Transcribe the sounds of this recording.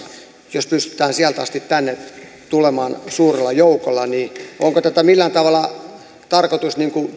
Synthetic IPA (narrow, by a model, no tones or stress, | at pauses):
jospyst̪y̥t̪ˑæːnsiælt̪ɑ̰st̪it̪t̪ænːe | t̪ulemɑːnsuːrelːɑjoukolːɑnioŋkot̪æt̪æmilːænt̪ɑʋɑlˑɑ | t̪ɑrkot̪usniŋku